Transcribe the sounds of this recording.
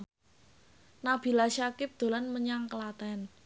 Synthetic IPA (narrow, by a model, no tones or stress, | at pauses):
nab̥i̤laʃakɪp̚d̪̥o̤lanməɲaŋkəlat̪ɛn